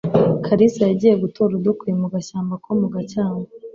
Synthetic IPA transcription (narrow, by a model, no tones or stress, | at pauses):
kʰaɾisajaɟiːje̞ɡutʰoɾud̪okuimuɡaɕaːmbakomuɡacaːŋe